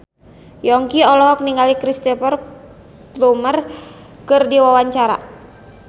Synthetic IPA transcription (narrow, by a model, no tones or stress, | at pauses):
jɔŋkiɔlɔɦɔk̚niŋɡalikɾist̪ɛpɔr | plumər | kɨrdiwawaɲt͡ʃaɾa̰